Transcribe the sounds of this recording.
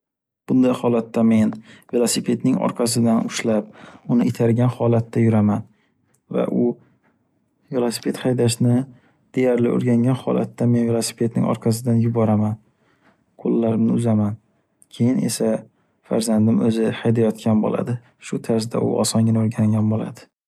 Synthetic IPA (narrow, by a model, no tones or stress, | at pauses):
b̥ʊnd̪ajhɒlat̪ʰːame̞nvelˠosɪpʰe̞t̪nɪŋɒ̰ɾqʰɑs̬ɪd̪anʊʃlap̚ʊnɪet̪ʰaɾɡʲanhɒlat̪ʰːajʊɾaman | va̰ʔʊ | velˠosɪ̥pʰe̞t̪hajd̪aʃnɪ | d̪̥e̞jaɾlɪo̰ɾɡʲaŋʲanhɒ̰la̰t̪ːame̞nvelˠosɪ̥pʰe̞t̪̚nɪ̰ŋɒ̰ɾqʰɑs̬ɪd̪anjʊbɒɾaman | qʰolːaɾɪmnɪʊzaman | kʲʰe̞jɪne̞̰sa | fa̰ɾzand̪ɪmɵzɪhajd̪ajɒt̪kʲʰanbo̰lʔa̰d̪ɪ | ʃʊt̪ʰaɾs̬d̪a̰ʊ̰ɒ̰sɒŋɡʲɪnaoɾɡʲaŋʲanbola̰d̪̥ɪ